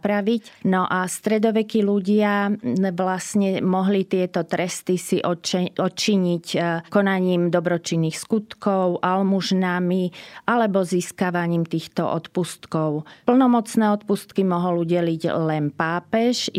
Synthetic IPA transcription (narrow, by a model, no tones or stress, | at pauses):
pɾaʋicnɔʔast̪ɾɛd̪ɔʋɛkiluɟɪaʋlasɲɛmɔɦlit̪ɪɛt̪ɔt̪ɾɛst̪isiʔɔt͡ʃɔt͡ʃiɲickɔnaɲiːmd̪ɔbɾɔt͡ʃinːixskut̪kɔʊʔalmuʒnamiʔalɛbɔziːskaʋaɲiːmt̪iːxt̪ɔ̰ʔɔ̰t̪pust̪kɔʊpl̩nɔmɔt͡snɛːɔt̪pust̪kimɔɦɔluɟɛliɟlɛnpaːpɛʒ